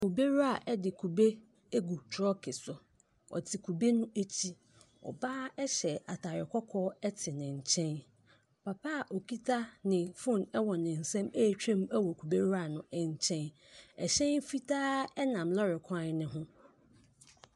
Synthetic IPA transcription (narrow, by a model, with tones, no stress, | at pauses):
kʰu˨be˦ɾa˨ʔɛ˦dɪ˨kʰu˨be˦ | e˦ɡu˨tʰɾɔ˦kʰɪ˨sʊ˨ | ɔ̰˨tʰɪ˨kʰu˨be˦nʊ̃˦e˦t͡ɕʰi˦ | ɔ̰˨baː˦ɛ˦ɕɛ˨a˨tʰa˨ɾɪ˨kʰɔ˦kʰɔː˦ɛ˦tʰɪ˨nɪ̃˨ɲ̩˨t͡ɕʰɛ̃˦n | pʰa˨pʰa˦˨ʔo˨kʰi˦tʰa˦nɪ̃˨fʊ̃˦˨nɛ˦wɔ˨nɪ̃˨n̩˨sɛ̃˦me˦˨t͡ɕᶣʰẽ˦m˦ɛ˦wɔ˨kʰu˨be˦ɾa˦˨nʊ̃˨ɛ˨ɲ˨t͡ɕʰɛ̃˦n | ɛ˨ɕɛ̃˦n˦fi˦tʰaː˦ɛ˦nã˨mlɔ˦ɾɪ˨kʰã˦nnɪ̃˨ɦʊ̃˦